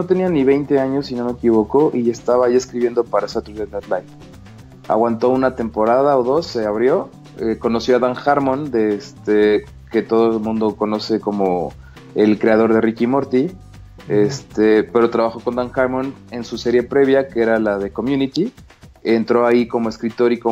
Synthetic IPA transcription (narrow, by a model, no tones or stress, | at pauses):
not̪e̞nianiβe̞jnt̪e̞aɲo̞sːino̞me̞kiβ̞o̞koʔie̞st̪aβaːie̞skɾiβje̞nd̪o̞paɾaesat̪ɾuzenot̪lajf | a̰ɣwant̪o̞unat̪e̞mpo̞ɾað̞ao̞ðo̞sːe̞aβɾjo̞ | eko̞no̞sjo̞aðaŋxaɾmõnd̪e̞st̪e | ke̞t̪o̞ðomũnd̪o̞ko̞no̞se̞ko̞mo̞ | e̞lkɾe̞að̞o̞ɾðe̞rikimo̞ɾt̪i | est̪epe̞ɾo̞t̪ɾaβaxo̞ko̞nd̪aŋxaɾmõne̞nsuse̞ɾje̞pɾe̞βjakee̞ɾalaðe̞ko̞mjũnit̪i | ent̪ɾo̞aiko̞mo̞eskɾit̪o̞ɾiko